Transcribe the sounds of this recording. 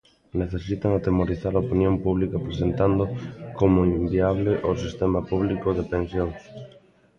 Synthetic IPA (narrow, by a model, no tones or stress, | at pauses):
neθesit̪aŋat̪emoɾiθaɾaopinjompuβ̞likapɾesent̪and̪ʊkomʊimbiaβ̞leʔosist̪emapuβ̞likʊðepensjoŋs